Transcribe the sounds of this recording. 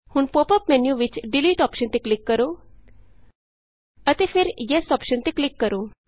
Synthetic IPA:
huːɳpopəpmɛnjuʋit͡ɕɖiliːʈɔpʃənt̪eklikːəɾo | ət̪efeɾjɛsɔpʃənt̪eklikːəɾo

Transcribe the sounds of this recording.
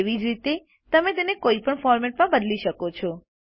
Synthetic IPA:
eʋid͡ʒɾit̪e | t̪əmet̪enekoipəɳfɔɾmeʈ̚mãbəd̪liʃəkot͡ʃʰɔ

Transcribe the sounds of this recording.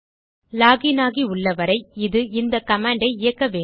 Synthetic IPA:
laːɣɪnaːɣiʊɭːɐʋɐɾɐɪɪðɯɪnd̪ɐkɐmaːɳɖɐɪɪjɐkːɐʋeː

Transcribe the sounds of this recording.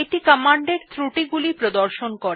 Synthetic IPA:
eʈikəmaɳɖeɾt̪ɾuʈiɡulipɾod̪oɾʃonkoɾee

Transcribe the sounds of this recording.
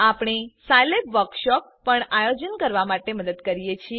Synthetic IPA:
apɳ̃esajlepʋəɾkʃɔk̚pəɳajod͡ʒənkəɾʋamaʈeməd̪əd̪kəɾijet͡ʃʰi

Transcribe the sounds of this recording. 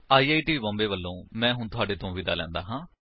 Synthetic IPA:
aːiːaːiːʈiːbɔ̃ːmbeːʋəlːõːmɛ̃ːɦʊɳt̪ʊaːɖeːt̪ʰõːʋid̪aːlɛ̰̃ːnd̪a̰ːɦãː

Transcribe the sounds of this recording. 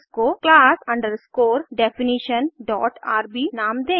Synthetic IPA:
skoklaːsɐ̃ɳɖəɾskoːɾɖɛfiniʃənɖɔ̰ːʈa̰ːɾbiːnãːmd̪ẽː

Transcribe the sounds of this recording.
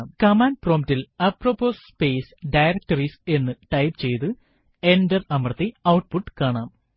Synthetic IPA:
mkɐmaːnɖproːmtilɐproːpːoːsspe̞ːsɖɐjɾɐk̚ʈɐrise̞nːɨʈɐjpɨt͡ɕe̞jt̪ɨ | endɐrɐmɐrɐt̪ːiɐwʈpuʈːɨ̥kaːɳaːm

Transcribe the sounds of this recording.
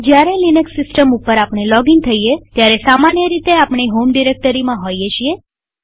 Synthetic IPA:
d͡ʒjaɾelinəksːɪsʈəmupəɾapɽ̃elɔɡiŋt̪ʰəijet̪jaɾesamanjəɾit̪eapɳ̃iɦomɖiɾek̚ʈəɾimãɦojet͡ʃʰie

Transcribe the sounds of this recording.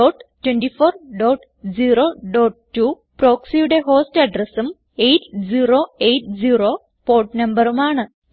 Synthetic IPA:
ɖoːʈtːwenɖifoːrɖoːʈ | d͡ʑiːroːɖoːʈ̚tːuː | pro̞ːksijuɽe̞ɦo̞ːstɐɖrɐsum | ejtd͡ʑiːroːejtd͡ʑiːroː | poːʈnɐmbɐrumaːɳɨ

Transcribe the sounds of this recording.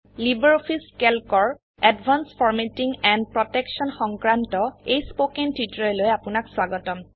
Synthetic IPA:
libɛɹopʰiskɛlkɔɹ | ɛdbʱanspʰɔɹmetiŋɛndpɹɔtɛksɔnxɔŋkɹantɔejspokɛntʰitɹɔlojapʊnakswaɡɔtɔm

